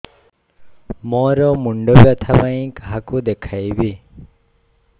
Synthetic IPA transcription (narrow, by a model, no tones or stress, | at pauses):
mɔɾɔmuɳɖɔbjat̪ʰabaĩkaɦakud̪ekʰajbi